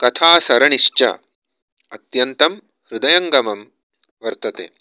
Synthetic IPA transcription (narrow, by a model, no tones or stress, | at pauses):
kɐt̪ʰaːsɐɾɐɳiʃt͡ʃɐ̰ | ɐt̪jɐnt̪ɐm | ɾud̪ɐjɐŋɡɐmɐm | ʋɐɾt̪ɐt̪ḛː